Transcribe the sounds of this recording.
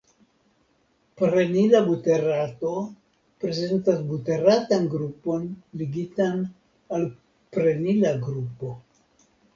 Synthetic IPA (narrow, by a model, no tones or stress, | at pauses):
pɾenilabute̞ɾato̞ | pɾe̞ze̞ntasbute̞ɾatanɡɾupo̞nliɡitan | al | pɾenilaɡɾupo̞